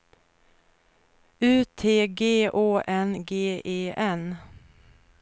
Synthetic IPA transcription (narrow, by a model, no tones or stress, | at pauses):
ʉːt̪ʰeːɡeːʔoːʔɛnɡeːʔeːʔɛn